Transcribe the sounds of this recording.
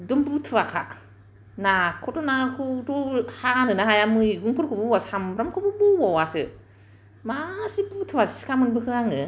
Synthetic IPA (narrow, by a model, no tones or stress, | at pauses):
dumbutʰuwaka | nakutunakutuhaanɨnahajamuiɡuŋkuɾkubuwashamɾɔmkububuwɔwasɨ | masibutʰuwassi̥kamunbəkɨaŋə